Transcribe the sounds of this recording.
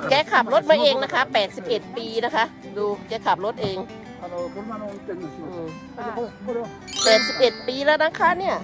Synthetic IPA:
kɛː˦˧˥kʰa˨˩p̚ɾo˦˥t̪̚maː˧ʔeː˧ŋna˦˥kʰa˦˥pɛː˨˩t̪̚si˨˩p̚ʔe˨˩t̪̚piː˧na˦˥kʰa˦˥ʔ | duː˧kɛː˧˥kʰa˨˩p̚ɾo˦˥t̪̚ʔeː˧ŋ˧˨˩ | ʔɯː˧˩ | pɛː˨˩t̪̚si˨˩p̚ʔe˨˩t̪̚piː˧lɛː˦˥naː˧˥˩ŋkʰaː˧˥˩nːi˥˩ɐ

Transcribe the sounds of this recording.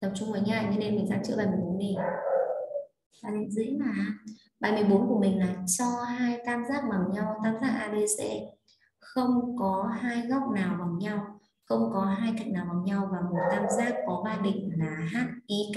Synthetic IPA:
t̪ə˨˩p̚t͡ɕʊ˧ŋ͡mhəː˨˦jɲaː˧˩˨ɲɔ˧˦ne˧nmï˨˩ŋza̰ː˧˥mt͡ɕɨ̰˧˥ɓaː˨˩m˨˩o˨˦nːi˨˩ | aː˧˩ni˧˨zḭ˧˨˥ŋmaː˨˩˨ | ɓaː˨˩jmɨ˨˩əjɓo˨˦nku˧˩əmï˨˩ŋ̟laː˨˩t͡ɕɔ˧ɦaː˧jk̪aː˧mzaː˦˥k̚ɓa˨˩wɲa˧wt̪aː˧mzaː˦˥k̚ʔaː˧ɓe˧sɛ̰˧˥ | xə˧wŋ͡mkɔ˨˦ɦaː˧jɣa˦˥wk͡p̚naː˨˩wva˨˩wɲa˧w | xə˧wŋ͡mkɔ˨˦ɦaː˧jk̪a˨ŋ̟naː˨˩vaː˨˩ŋ͡mɲa˧wvaː˨˩mo˨˩t̚k̪aː˧mzaː˦˥kːɔ˨˦vaː˧jɗḭ˧˨ŋ̟laː˨˩ɦaː˦˥t̚ʔi˧k

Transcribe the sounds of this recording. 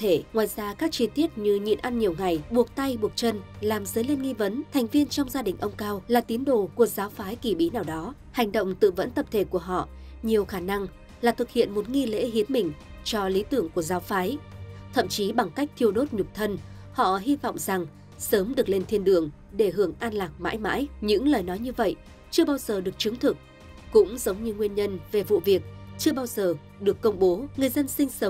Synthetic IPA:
t̪ʰe˧˩ŋwaː˨˩jzaː˧kaː˦˥k̚t͡ɕi˧t̪i˦˥ət̚ɲɨ˧ɲḭ˧˨ənʔa˧nɲi˨˩əwŋa˨˩jɓu˨˩ək̚t̪a˧jɓu˨˩ət̚t͡ɕə˧nlaː˨˩mzəː˨˦jle˧nŋi˧və˨˦nt̪ʰɛ˨˩jŋ̟vi˧ənt͡ɕɔ˧wŋ͡mzaː˧ɗï˨˩ŋ̟ʔə˧wŋ͡mkaː˧wlaː˨˩t̪i˨˦ənɗo̰˧˩ku˧˩əzaː˨˦wfaː˨˦jki˧˩ɓi˨˦naː˨˩wɗɔ˨˦ | ha˨˩jŋ̟ɗə̰˧˨wŋ͡mt̪ɨ̰˧˨və̰˧˥nt̪ə˨˩p̚t̪ʰe˧˩ku˧˩əɦɔ̰˧˨ | ɲi˨˩əwxaː˧˩na˧ŋ | laː˨˩t̪ʰɨ˨˩k̚hḭ˧˨ənmo˨˩t̚ŋi˧lḛ˧˥ɦi˨˦ənmï˨˩ŋ̟ | t͡ɕɔ˧li˨˦t̪ɨ˧˩əŋku˧˩əzaː˨˦wfaː˨˦jt̪ʰə̰˧˨mt͡ɕi˨˦ɓa˨˩ŋka˦˥jk̟̚t̪ʰi˧əwɗo˦˥t̚ɲʊ˨˩k͡p̚t̪ʰə˧n | hɔ̰˧˨ɦi˧vɔ̰˧˨wŋ͡mza˨˩ŋ | səː˨˦mɗɨ˨˩ək̚le˧nt̪ʰi˧ənɗɨ˨˩əŋ | ɗe˧˩ɦɨ˨˩əŋʔaː˧nlaː˨˩k̚ma̰ː˧˥jma̰ː˧˥jɲɨ̰˧˥ŋləː˨˩jnɔ˨˦jɲɨ˧və̰˧˨j | t͡ɕɨ˧əɓaː˧wzəː˨˩ɗɨ˨˩ək̚t͡ɕɨ˨˦ŋt̪ʰɨ˨˩k̚ | kʊ̰˧˥ŋ͡mzə˨˦wŋ͡mɲɨ˧ŋwi˧ənɲə˧nve˨˩vṵ˧˨vi˨˩ək̚t͡ɕɨ˧əɓaː˧wzəː˨˩ | ɗɨ˨˩əkːə˧wŋ͡mɓo˨˦ŋɨ˨˩əjzə˧nsï˧ŋ̟sə˨˦ŋ͡m

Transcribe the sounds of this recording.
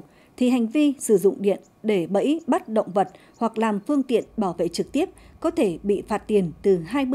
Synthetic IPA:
t̪ʰi˨˩ɦa˨˩jŋ̟vi˧sɨ˧˩zʊ̰˧˨ŋ͡mɗḭ˧˨ən | ɗe˧˩ɓə̰˧˥jɓa˦˥t̚ɗə̰˧˨wŋ͡mvə˨˩t̚ | hwa˨˩k̚laː˨˩mfɨ˧əŋt̪ḭ˧˨ənɓaː˧˩wvḛ˧˨t͡ɕɨ˨˩k̚t̪i˦˥əp̚kɔ˨˦t̪ʰe˧˩ɓḭ˧˨faː˦˥t̚t̪i˨˩ənt̪ɨ˨˩ɦaː˧j

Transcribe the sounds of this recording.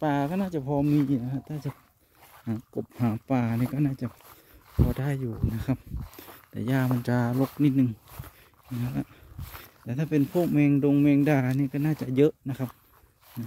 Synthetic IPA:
paː˨˩kɔː˧˥naː˧˩˨t͡ɕa˧˨pʰɔː˧miː˧˥juː˨˩na˧kʰa˧˥t̪ʰaː˧˥˨t͡ɕa˧˩ | haː˨˦ko˨˩p̚haː˨˦paː˨˩niː˧˨kɔː˧˩naː˧˥˩t͡ɕa˧˩˨ | pʰɔː˧da˧˥˨jːuː˨˩na˧˥kʰa˧p̚t̪ɛ̰ː˨˧˨jaː˧˩ma˧˥˨nt͡ɕa˧lo˧˥k̚ni˧˩t̪̚nɯ˨˧ŋ˧ | na˧˩a˧˩t̪ɛː˨˧t̪ʰaː˥˩pe˨npʰoː˧˥˨k̚mɛː˧ŋdo˧ŋmɛː˧ŋdaː˧˩niː˧˨kɔː˧˩naː˧˥˩t͡ɕa˨˧˨ʔjɤ˦˧˥ʔna˧˥kʰa˧p̚ | na˧

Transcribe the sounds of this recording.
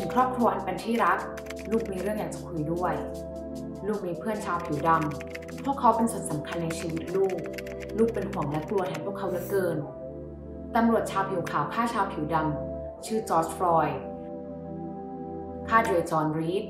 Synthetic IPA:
t̪ʰɯ˨˦ŋkʰɾɔː˥˩p̚kʰɾu˧ʔa˧npe˧nt̪ʰiː˥˩ɾa˦˥k̚ | luː˥˩k̚miː˧ɾɯ˥˩əŋjaː˨˩ŋt͡ɕa˨˩kʰu˧jdu˥˩əj | luː˥˩k̚miː˧pʰɯ˥˩ənt͡ɕʰaː˧wpʰi˩˦wda˧m | pʰu˥˩əkʰːa˦˥wpe˧nsu˨˩ənsa˩˦mkʰa˧nːa˧jt͡ɕʰiː˧wi˦˥t̪̚luː˥˩k̚ | luː˥˩k̚pe˧nkʰu˨˩˦ŋlɛ˦˥k̪lu˧ət̪ha˧˥˩pʰu˥˩əkʰːa˦˥wɾa˦˥kːɤː˧n | t̪a˧mɾu˨˩ət̪̚t͡ɕʰaː˧wpʰi˨˩˦wkʰaː˨˩˦wkʰaː˥˩t͡ɕʰaː˧wpʰi˨˩˦wda˧m | t͡ɕʰɯː˥˩t͡ɕɔː˦˥s̚fɾɔː˧j | kʰaː˥˩do˧˩t͡ɕɔː˧nɾiː˦˥t̪̚

